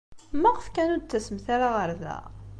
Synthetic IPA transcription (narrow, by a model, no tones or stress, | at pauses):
mæʁəfkænud̪̚t͡sːæsəmθaɾaʁəɾðæ̰